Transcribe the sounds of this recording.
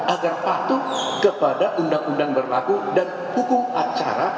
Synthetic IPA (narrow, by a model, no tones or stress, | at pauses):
ʔaɡarpat̪ʊkəpadaʔundaŋundaŋbərlakudan | hukʊmat͡ʃa̰ɾa